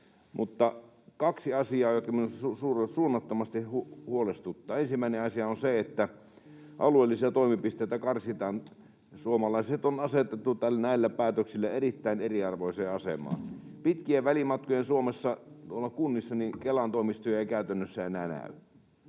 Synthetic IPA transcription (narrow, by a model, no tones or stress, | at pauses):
mut̪ːɑ | kɑksiɑsiɑːjokkɑminust̪ɑsusuːret̪suːnːɑt̪ːomɑst̪ihuhuolest̪ut̪ːɑːensimːæˑineɑsiɑonseet̪ːæ | ʔɑ̰lueˑlːisiɑt̪oˑimipist̪eˑːt̪ːækɑrsit̪ɑːn | suomɑlɑˑiset̪onɑset̪et̪ːut̪ælːnæˑilːæpæːt̪øksilːæerit̪ːæineriɑrʋoiseːɑsḛmˑɑ̰ːnpit̪kiæʋælimɑt̪̚kojensuomesːɑt̪uolːɑkunːisːɑnikelɑnt̪oˑimist̪yøjækæˑyt̪ænːøsːæenæːnæ̰ˑy